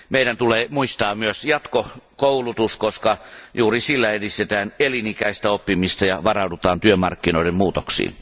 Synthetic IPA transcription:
meiɾænt̪uleːmuist̪ɑːmyøsjɑt̪kokoulut̪uskoskɑjuːrisilːæedist̪et̪æːnelinikæist̪æopːimist̪ɑjɑʋɑrɑudut̪ɑːnt̪yømɑ̰rkːinoidemmuːt̪oksḭːn

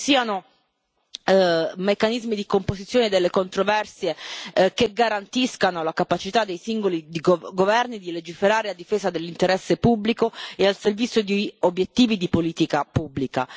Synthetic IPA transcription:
siːano | mekːanizmid̪ikompozit̪sjoːned̪elːekont̪ɾovɛrsjekeɡːaɾant̪iskanolakapat͡ʃit̪ad̪ːejsiŋɡolid̪iɡɡovɛrnid̪iled͡ʒifeɾaːɾelad̪ifeːzad̪elːint̪eɾɛsːepublikoealservit̪sːjod̪iobːjet̪ːiːvid̪ipoliːt̪ikapubːlika̰

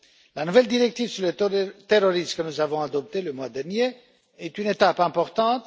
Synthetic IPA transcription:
lanuvɛld̪iʁɛk̚t̪ivsyʁlət̪eʁoʁismkənuzavɔ̃ad̪ɔp̚t̪eləmwad̪ɛʁnje | ɛt̪ynet̪apɛ̃pɔʁt̪ɑ̃t̪

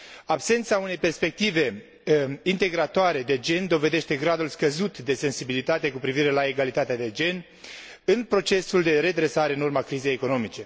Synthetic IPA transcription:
abse̞nt̪saune̞jpe̞rspe̞k̚t̪ive̞ | int̪e̞ɡɾat̪oaɾe̞d̪e̞d͡ʒe̞nd̪o̞ve̞d̪e̞ʃt̪e̞ɡɾad̪ulskəzut̪d̪e̞se̞nsibilit̪at̪e̞kupɾiviɾe̞lae̞ɡalit̪at̪ead̪e̞d͡ʒe̞n | ɨnpɾo̞t͡ʃe̞suld̪e̞ɾe̞d̪ɾe̞saɾe̞ɨnurmakɾize̞jeko̞no̞mit͡ʃe̞

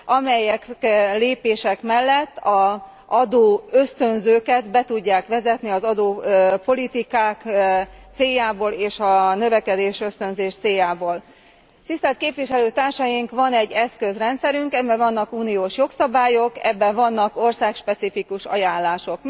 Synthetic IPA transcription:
ɒmɛjɛkleːpeːʃɛkmɛlːɛt̪ːɒ | ʔɒd̪oːøst̪ø̞nzøːkɛd̪bɛt̪uɟːaːkʋɛzɛt̪niɒzɒd̪oːpo̞lit̪ikaːkt̪seːjːaːboːleːʃɒnø̞vɛkɛd̪eːʃøst̪ø̞nzeːʃt̪seːjaːboːl | t̪ist̪ɛlt̪̚keːpʋiʃɛløːt̪aːrʃɒjiŋkʋɒnɛɟːɛskøzrɛnt̪sɛɾyŋkɛbɛvɒnːɒkuːnijoːʃjo̞ksɒbaːjo̞kɛ̰bːɛvɒnːɒko̞rsaːkʃpɛt̪sifikuʃɒ̰jaːnlaːʃo̞k

